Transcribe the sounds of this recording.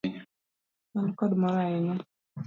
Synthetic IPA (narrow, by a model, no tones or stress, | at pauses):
mankɔdmɔɾaɪɲɛ